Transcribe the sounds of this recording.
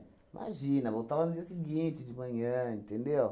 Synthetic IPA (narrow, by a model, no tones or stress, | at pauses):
imʔa̰ʒinɐvot̪avanud͡ʒiɐsiɡĩt͡ʃid͡ʒimɐ̃ɲɐ̃ĩnt̪ẽnd̪ew